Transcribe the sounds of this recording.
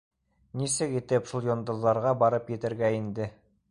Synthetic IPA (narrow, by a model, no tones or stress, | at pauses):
nisɘkit̪ɘpʃulˠjond̪ɤ̆ðːɑɾʁɑbɑɾɤpjɘ̆t̪ɘ̆ɾɡæind̪ɘ